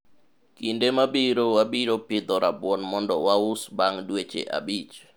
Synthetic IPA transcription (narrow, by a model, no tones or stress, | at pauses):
kindemabiɾowabiɾopɪd̪ɔɾabwɔnmɔndɔwaʊsbaŋdwet͡ʃḛʔa̰bit͡ʃ